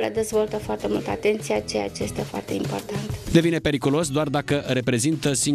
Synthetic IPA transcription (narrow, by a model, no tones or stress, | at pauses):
led̪e̞zvo̞lt̪əfoart̪e̞mult̪at̪e̞nt̪sijat͡ʃeja̰t͡ʃejest̪e̞foa̰rt̪e̞impo̞̰rt̪ant̪d̪e̞vinepe̞ɾikulo̞sd̪oard̪akəɾe̞pɾe̞zint̪əsiŋ